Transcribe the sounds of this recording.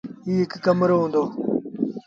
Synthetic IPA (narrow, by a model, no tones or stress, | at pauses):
iːɦɪkːəmɾoːɦũːnd̪oː